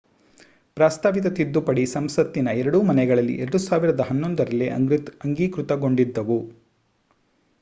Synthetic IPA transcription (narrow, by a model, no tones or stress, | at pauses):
pɾaːst̪ʰaːʋit̪̬ɐt̪id̪ːupɐɽisɐmsɐt̪ːinɐɛɾɐɽumɐnɛɡɐɭɐlːḭʔɛɾɐɽusaːʋiɾɐd̪ɐɦɐnːo̞nd̪ɐɾɐlːeɐ̰ɡɾit̪ɐŋɡiːkɾut̪ɐɡo̞ɳɖid̪ːɐʋu